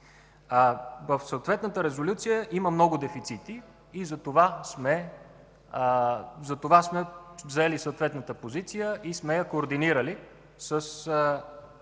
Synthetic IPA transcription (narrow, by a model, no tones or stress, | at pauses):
vəfsəot̪vɛt̪nət̪əɾɛzolʲut̪sijəʔiməmnɔɡʊd̪ɛfit̪sit̪iː | zɐt̪ovasmɛ | zɐt̪ovasmɛvzɛlisəot̪vɛt̪nət̪əpozit̪sijəʔismɛjɐkoːɾd̪iniɾəli | səs